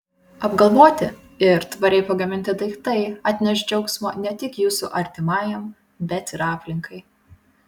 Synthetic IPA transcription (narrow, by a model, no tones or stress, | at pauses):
ɐbɡɐlˠʋoːt̪ʲɪ | ɪɾt̪ʋɐɾʲɛɪpɐɡɐmʲɪnʲt̪ʲɪd̪ɐɪkt̪ɐɪɑːt̪ʲnʲɛʃʲd͡ʒʲɛʊksmo̰ːnʲɛt̪ʲɪkjuːsʊʔɐɾʲt̪ʲɪmɑːjɛm | bʲɛt̪ɪɾɑːpʲlʲɪŋkʰɐɪ